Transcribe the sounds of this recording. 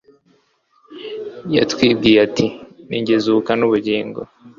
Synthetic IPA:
ja̰twiːb̚ɡiːjatʰiniɲɟezukanuβuɟiːŋɡo̰

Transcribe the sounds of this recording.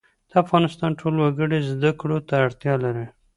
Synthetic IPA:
d̪̥əafɣɑnɪst̪ɑnʈʰolwaɡəɽezd̪akɽot̪aːɽt̪jɑlaɾi

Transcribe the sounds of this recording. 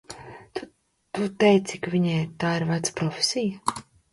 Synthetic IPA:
t̪u | t̪ut̪ɛjt̪sikvʲiɲɛjt̪aːiɾvat̪spɾɔfʲe̥sija

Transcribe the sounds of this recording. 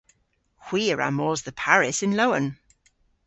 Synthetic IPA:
xw̥iːəɹa̰mɔːzðəpʰaɹɪsɪ̃nloʊə̰̃n

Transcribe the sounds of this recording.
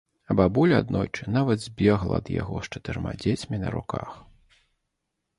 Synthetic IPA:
ɐbabulʲa̰d̪nɔjt͡ʂɨnavɐd̪zʲbʲɛɣlˠɐ̰ɐd̪ja̰ɣɔʂt͡ʂɐt̪ɨɾma̰d͡zʲet͡sʲmʲinɐ̰ɾṵka̰x

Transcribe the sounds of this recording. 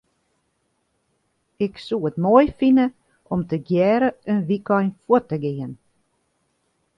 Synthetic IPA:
ɪksuːətmɔjfinə | ʔɔmtʰəɡjɛːɾəønʋikɔjnfwɔtəɡeːən

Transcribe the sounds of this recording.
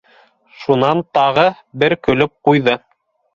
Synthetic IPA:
ʃunɑnt̪ɑʁɤ | bɘɾkɵ̆lɵp̚qujðɤ

